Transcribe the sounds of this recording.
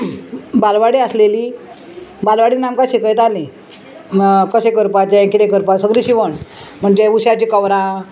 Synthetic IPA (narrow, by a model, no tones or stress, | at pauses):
balʋaɽiəsleli | balʋaɽinamkaɕekəjt̪ali | kəɕekəɾpat͡ɕãkit̪ẽkəɾpasəɡɾiɕiʋəɳm̤əɳd͡ʑeʋuɕat͡ɕikəʋɾã